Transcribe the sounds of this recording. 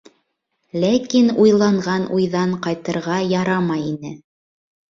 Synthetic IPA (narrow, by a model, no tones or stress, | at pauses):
lækinujlˠɑɴʁɑnujðɑɴqɑjt̪ɤ̆ɾʁɑjɑɾɑmɑjinɘ